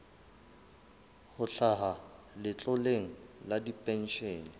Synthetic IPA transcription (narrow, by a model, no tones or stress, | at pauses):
hʊɬʰaɦa | lɪt͡ɬʼɔleŋ̩ladipʼɛn̩ʃeːni